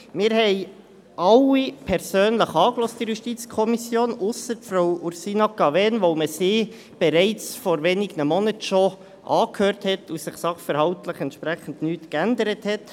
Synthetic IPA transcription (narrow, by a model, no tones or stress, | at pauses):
mɪːɾhɛɪ | ʔɑwipʰɛɾsøːnləχɑːklɔst̚ijuʃtit͡skʰɔmisjoːnʊsəɾtfɾowuɾsiːnɑkɑvɛnʋoʊməsiː | b̥ɛɾɛɪt͡sfɔɾʋeːniɡənəmɔnətʃɔ | ʔɑːkhøːɾthɛtʰusɪχsɑχfɛɾhɑwtləχɛntʃpɾæχən̩dnyːtkænd̪əɾəthɛt